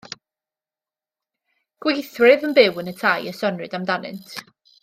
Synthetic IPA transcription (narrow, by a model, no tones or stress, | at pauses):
ɡ̥wejθrɪðənbɪwənətʰajəsɔnrɨdamdanɪ̰ntʰ